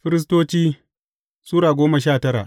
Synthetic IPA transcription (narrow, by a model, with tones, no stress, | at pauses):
ɸɪ˦ɾɪ˦s̬toː˦t͡ʃiː˦ | suː˦ɾaː˨ɡʷoː˦mɐ˨ʃaː˦˨tɐ˦ɾa̰ː˨ʔ